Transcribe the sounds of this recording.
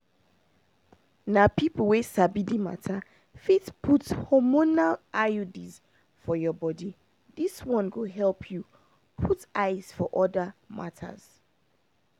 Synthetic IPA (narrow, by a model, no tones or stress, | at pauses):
napipl̩ˠwesabidima̰tʰa | fitpʰuthɔmonalʔajudiz̥ | fɔjɔbɔdi | diswɔ̃nɡuɦɛlˠpʰju | pʰutaɪz̥fɔʔɔdəmʔa̰tʰə̰z̥